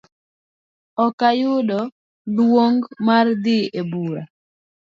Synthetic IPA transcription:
ɔkajʊɗɔ | lwoŋɡmard̪ɪebuɾa

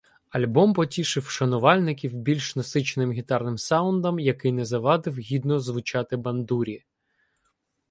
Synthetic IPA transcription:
ɐlʲbɔmpɔtʲiʃɪwʃɐnʊʋɑlʲnɪkʲiwbʲilʲʃnɐsɪt͡ʃnɪmɦʲit̪ɑrnɪmsɑʊnd̪ɐmjɐkɪjnɛzɐʋɑd̪ɪwɦʲid̪nɔzʋʊt͡ʃɑt̪ɪbɐnd̪uɾʲi

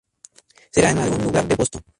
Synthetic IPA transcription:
seɾaenalɣunluɣaɾd̪epost̪o

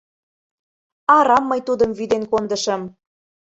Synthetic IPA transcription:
ɑɾɑmːɤjt̪ud̪ə̆mvyd̪enkond̪ɤ̆ʃə̆m

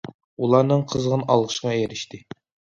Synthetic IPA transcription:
ulˠɑɾnɨɴqʰəzʁənɑlˠʁəʃəʁɑjeɾɪʃt̪ʰɪ

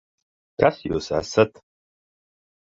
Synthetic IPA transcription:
kʰasjosʕa̰sɐtʰʼ

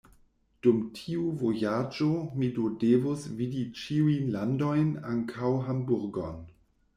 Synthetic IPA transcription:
d̥umtʰiuvojad͡ʒomidodevosvidit͡ʃiujnlandojnaŋkʰawɦambuɾɡo̰n

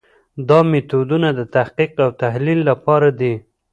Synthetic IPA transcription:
d̪ɑmet̪od̪unad̪ət̪ahqiqawt̪aɦlilːapɑɾad̪i

